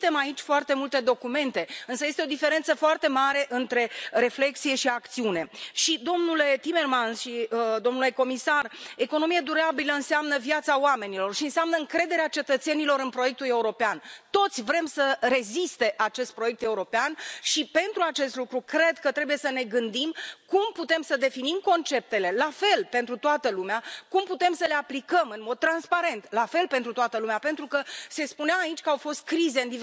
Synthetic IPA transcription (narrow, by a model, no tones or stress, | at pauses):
t̪e̞mait͡ʃʲfoart̪e̞mult̪e̞d̪o̞kume̞nt̪e̞ɨnsəje̞st̪eo̞d̪ife̞ɾe̞nt̪səfoart̪e̞maɾe̞ʔɨnt̪ɾe̞ɾe̞fle̞k̚t̪sije̞ʃiakt̪siune̞ʃid̪o̞mnule̞t̪ime̞rmansʃid̪o̞mnule̞ko̞misare̞ko̞no̞mijad̪uɾabiləɨnseamnəvjat̪saoame̞nilo̞rʃiɨnseamnəɨŋkɾe̞d̪e̞ɾeat͡ʃe̞t̪ət̪se̞nilo̞ɾɨnpɾo̞je̞k̚t̪ule̞uɾo̞peant̪o̞t̪sʲvɾe̞msəɾe̞zist̪e̞ʔat͡ʃe̞st̪pɾo̞jek̚t̪e̞uɾo̞peanʃipe̞nt̪ɾuat͡ʃe̞st̪lukɾukɾe̞d̪kət̪ɾe̞buje̞səne̞ɡɨnd̪imkumput̪e̞msəd̪e̞finimko̞nt͡ʃe̞p̚t̪e̞le̞lafe̞lpe̞nt̪ɾut̪oat̪əlumeakumput̪e̞msəle̞aplikəmɨnmo̞d̪̚t̪ːɾanspaɾe̞nt̪lafe̞lpe̞nt̪ɾut̪oat̪əlumeape̞nt̪ɾukəse̞spuneaait͡ʃʲkəawfo̞st̪̚kɾize̞ɨnd̪i